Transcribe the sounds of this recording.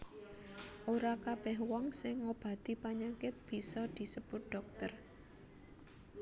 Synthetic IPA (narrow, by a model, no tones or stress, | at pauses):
ʔoɾakab̥ɛhwɔŋsɪŋːob̥ä̤t̪ipaɲaŋkeb̥i̤sɔd̪̥i̤səb̥ʊt̪̚ɖ̪̥ɔ̤k̚t̪ər